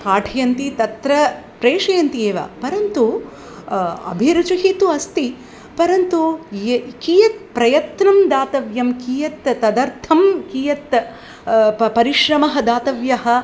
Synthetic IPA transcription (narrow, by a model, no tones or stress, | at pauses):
kaːʈʰijɐnt̪it̪ɐt̪ɾɐpɾeːʃɐjɐnt̪ieːʋa̰ːpɐɾɐnt̪u | ɐ̰bʱiɾɐt͡ʃɐɦit̪uɐst̪i | pɐɾɐnt̪u | kiːjɐt̪̚pɾɐjɐt̪nɐmd̪aːt̪ɐʋjɐmkiːjɐt̪ːɐd̪ɐɾt̪ʰɐmkiːjɐt̪ | pɐɾiʃɾɐmɐɦɐd̪aːt̪ɐʋjɐɦɐ̆